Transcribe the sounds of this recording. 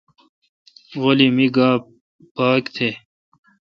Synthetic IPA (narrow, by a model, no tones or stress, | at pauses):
ɣolimiɡaː | paːkt̪ʰe